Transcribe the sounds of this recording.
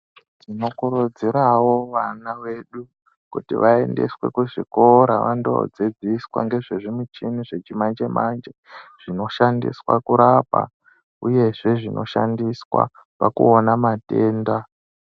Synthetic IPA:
tʰino̞kuɾud͡ziɾawo̞ʋanawe̞ɗu | kutḭʋae̞̰nde̞̰swe̞̰kuʐiko̞ɾaʋando̰d͡zed͡ziswa̰ŋɡe̞ʐeʐimut͡ʃiniʐe̞t͡ʃimand͡ʒe̞mand͡ʒeʐ̥ino̞ʃandḭswakuɾapa̰ | uje̞ʐe̞ʐino̞̰ʃandiswa̰ | pakṵonamate̞ːnda

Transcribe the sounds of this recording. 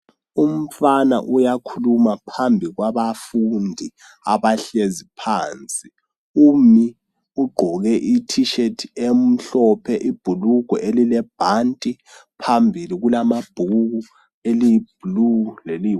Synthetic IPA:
um̩fana̰ʔujakʰulumapʰambʱiɣwaβafundʱi | aβaɬezipʰaːnt͡sʼi | umi | uɡ͡ǃʱɔɣɛʔitʰiʃetʰem̩ɬɔpʰɛʔib̥ʱuluɡ̥ʱɔʔelilɛb̥ʱantʼi | pʰambʱiliɣulamab̥ʱuɣu | elib̥ʱluleli

